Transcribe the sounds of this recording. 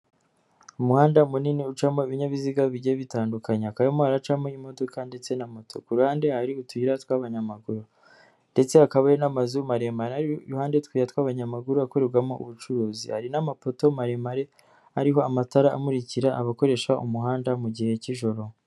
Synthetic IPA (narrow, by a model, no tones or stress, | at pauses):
umuhaːndaumuniniut͡ʃamoiβiɲaβiziɡaβiɟeβitaːndukaɲeakajamoaɾat͡ʃamoimo̞do̞kande̞t͡se̞namo̞tʰo̞̰kuɾuhaːnde̞haɾiutuiɾatwaːβaɲamaɡuɾu | nde̞t͡se̞akaβajenamazumaɾe̞maɾeaɾiuhaːndetkwiːɾatwaːβaɲamaɡuɾuakoɾeɾɡwamo̞ʔṵβut͡ʃuɾuːzḭhaɾinamapo̞to̞maɾemaɾe̞ | aɾiɦo̞amataɾaa̰muɾiciɾaʔaβako̞ɾe̞ʃaʔumuɦaːndamuɟihe̞ciʒo̞ɾo